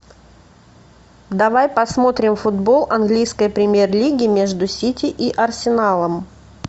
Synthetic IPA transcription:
d̪ɐvajpɐsmo̞t̪ɾʲɪmfʊd̪bo̞lˠɐnɡlʲijskəjpɾʲɪmʲje̞rlʲiɡʲɪmʲeʐd̪ʊsʲitʲɪʔiʔɐrsʲɪnalˠəm

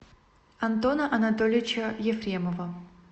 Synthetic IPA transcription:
ɐnt̪o̞nəʔɐnɐt̪olʲɪt͡ɕəjɪfɾʲeməvə

